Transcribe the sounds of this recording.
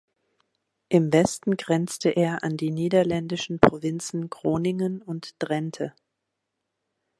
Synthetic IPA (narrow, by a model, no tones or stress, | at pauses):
ʔɪmvɛstn̩ɡʁɛnt͡stʰəʔeːɐʔandiːniːdɐlɛndɪʃn̩pʁ̥ovɪnt͡sn̩ɡʁ̥oːnɪŋənʊntd̥ʁɛntʰə